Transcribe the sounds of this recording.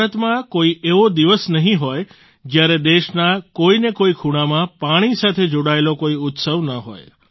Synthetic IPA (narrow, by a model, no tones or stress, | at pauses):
bʱɾət̪mãkoiʔeʋod̪iʋəsnəɦĩɦoj | d͡ʒjaɾed̪eʃnakoinekoikʰuɽ̃amãpaɽ̃isat̪ʰed͡ʒoɽaelokoiʊt̪səʋnəɦɔ̰j